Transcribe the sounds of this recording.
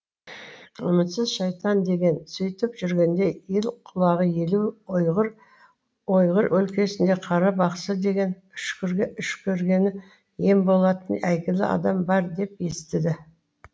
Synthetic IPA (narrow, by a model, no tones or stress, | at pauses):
ʏmɪt̪sɪzʃɑjt̪ɑnd̪e̞ɡʲe̞nsʏjt̪ɪpʒʏɾɡʲe̞nd̪e̞jelqʰʊlˠɑʁəje̞luʁɾ | o̞jʁəɾʔɵlkʲe̞sɪnd̪e̞qʰɑɾɑbɑqsəd̪e̞ɡʲe̞n | ʏʃkʲɾʏʃkʲʰɵɾɡʲe̞nɪ | je̞mbo̞lˠɑt̪ənæjɡʲɪlɪ̰ɑ̰d̪ɑmbɑɾd̪e̞p̚je̞st̪ɪd̪ɪ